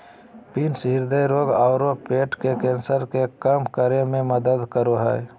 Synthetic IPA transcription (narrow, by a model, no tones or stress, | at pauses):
piːnsɦɪɾd̪əiɾoːɡaʊɾopeːʈkekẽːnsəɾkekəmkəɾemẽməd̪əd̪kəɾoɦɛ̰ː